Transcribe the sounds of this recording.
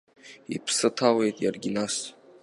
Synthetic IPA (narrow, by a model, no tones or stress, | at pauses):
ḭpʰsɨtʰale̞jtʼjarɡʲinas